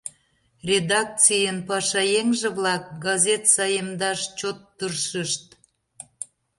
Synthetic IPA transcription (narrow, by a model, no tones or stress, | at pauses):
rʲed̪ɑk̚t͡sijənpɑʃɑjeŋʒĕβlɑk̚ɡɑzʲet̪sɑjəmd̪ɑʃt͡ɕot̪ːərʃəʃt̪̚